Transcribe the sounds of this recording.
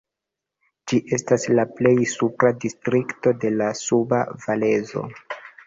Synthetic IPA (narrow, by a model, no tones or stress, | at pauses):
d͡ʒiʔe̞staslaple̞jsupɾadistɾikto̞de̞lasuba̰vale̞zo̞̰